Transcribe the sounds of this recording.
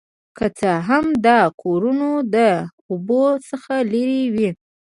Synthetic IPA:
kət͡səɦamd̪ɑkʰoɾunod̪ə | obosəxaleɾewi

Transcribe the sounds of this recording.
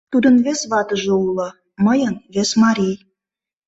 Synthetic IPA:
t̪ud̪ə̆nβesβɑt̪ə̆ʒɤ̆ulɤ̆ | məjənβesmɑɾʲij

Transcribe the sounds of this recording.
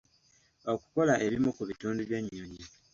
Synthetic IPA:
okuko̞laʔe̞βimukuβituːnduβjeɲːoɲi

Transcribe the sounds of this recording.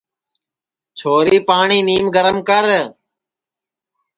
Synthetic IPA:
t͡ʃʰoːɾiːpaːɳiːniːmɡəɾəmkəɾ

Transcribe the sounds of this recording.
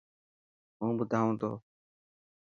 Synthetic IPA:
ɦũːbʊd̪ʱaːõːt̪o̰ː

